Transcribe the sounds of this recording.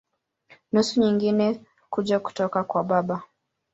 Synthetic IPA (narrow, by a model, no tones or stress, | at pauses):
nusuɲiŋɡinɛ | kuʄaku̥tɔkakwaɓaɓa